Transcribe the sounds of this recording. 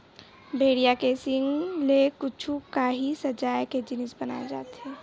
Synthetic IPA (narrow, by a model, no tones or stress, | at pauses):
bʱeːɽijakesɪŋɡlekʊt͡ʃʰukaɦisɐd͡ʒaːjked͡ʒɪnɪsbɐna̰ːed͡ʒa̰ːt̪ɦɛː